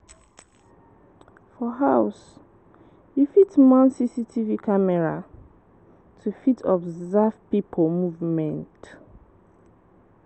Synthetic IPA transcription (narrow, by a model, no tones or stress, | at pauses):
fɔɦaʊs | jufitmɔ̃nsisitʰivikamɛɹa | tʰufitʰɔbzɛvpipʰomuvmɛ̃nt